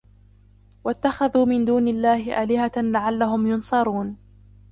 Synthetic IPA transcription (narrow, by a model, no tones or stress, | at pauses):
wat̪ːaxaðuːmɪnd̪uːnalːaːhɪʔaːlɪhalaʕalːaɦʊmjʊnsˤɑɾˤuːn